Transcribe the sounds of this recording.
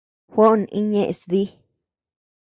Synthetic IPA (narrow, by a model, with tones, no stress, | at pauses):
hʷo˦ʔnḭ˦ɲẽ˦ʔsd̪i˦